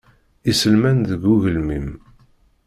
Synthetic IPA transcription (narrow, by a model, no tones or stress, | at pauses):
isəlmænðəɡuʝəlmim